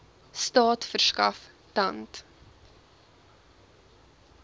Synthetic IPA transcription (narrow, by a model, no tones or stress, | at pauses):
stɑːtfərskɐ̰f | tɐnt